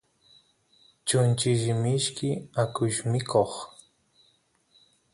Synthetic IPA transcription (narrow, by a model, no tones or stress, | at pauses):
t͡ʃʊnt͡ʃɪʒɪmɪʃkɪakʊʃmɪkʰoχ